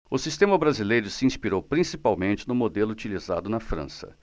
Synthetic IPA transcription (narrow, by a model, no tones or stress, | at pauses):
ʊsist̪ẽmɐbɾazilejɾʊsɪĩspiɾowpɾĩsipawmẽnt͡ʃɪnʊmod̪elʊut͡ʃiliza̰d̪ʊnɐfɾɐ̰̃sɐ̰